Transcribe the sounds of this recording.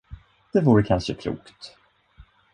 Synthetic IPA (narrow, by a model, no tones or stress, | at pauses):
d̪̥ɛvuːɾəkʰanʂəkʰlṵːkt̪